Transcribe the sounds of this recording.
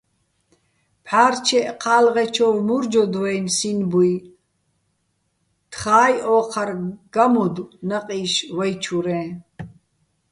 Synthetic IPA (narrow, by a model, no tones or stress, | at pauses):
pʰħaːɾt͡ʃʰɛʔqʰaːlʁɛt͡ʃʰɔvmuɾd͡ʒɔd̪wɛnsinbuj | t̪ʰχaːjɔːqʰaɾɡ̥amɔd̪unaqʼiːʃvajt͡ʃʰuɾɛ̃ː